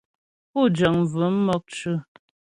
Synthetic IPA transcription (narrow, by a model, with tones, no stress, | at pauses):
pu˦˨d͡ʒə˨ŋ˨vʉ˨˦m̩˦mɔ˦k̚t͡ʃʉ˦